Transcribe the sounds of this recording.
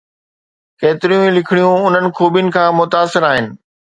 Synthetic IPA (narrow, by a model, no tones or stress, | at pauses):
keːt̪ɪɾijũĩlɪkʰɪɽijũʊn̤ənɪ̆kʰoːbjʊnɪ̆kʰãːmʊt̪aːsɪɾaːɦɪnɪ̆